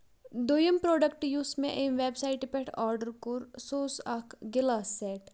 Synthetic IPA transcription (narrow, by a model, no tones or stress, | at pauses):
d̪ojəmpɾoːɖək̚ʈjuːsmẽʔemʋeːbsaɪʈpeʈʰɔːɾɖəɾkoɾsoːsakʰɡɪlaːseːʈ